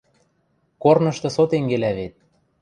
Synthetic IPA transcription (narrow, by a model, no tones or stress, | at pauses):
kornɤ̆ʃt̪ɤ̆sot̪eŋɡelæβet̪̚